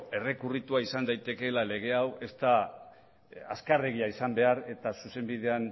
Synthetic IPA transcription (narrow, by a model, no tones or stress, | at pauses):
e̞re̞kurit̪uaisand̪ajt̪e̞ke̞lale̞ɣ̞e̞awe̞st̪a | a̰skare̞ɣ̞iaisambe̞aɾe̞t̪asuse̞mbið̞e̞an